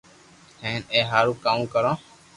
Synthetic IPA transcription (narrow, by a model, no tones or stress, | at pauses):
hẽːneːɦaːɾuːkaːmũːkəɾõː